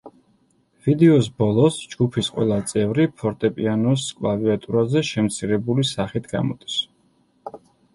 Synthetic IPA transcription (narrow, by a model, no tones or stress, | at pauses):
vid̪ɛɔs̬bɔlˠɔsd͡ʒɡupʰisqʼwɛ̰lˠat̪sʼɛvɾipʰɔɾt̪ʼɛpʼianɔskʼvad̪iat̪ʼuɾazɛʃɛmt̪sʰiɾɛbulisaχit̪ʰɡa̰mɔd̪̥is